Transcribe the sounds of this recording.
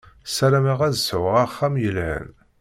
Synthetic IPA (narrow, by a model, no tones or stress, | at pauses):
sæɾæmæʁæzsʕəʁaχːæmjəlhə̰n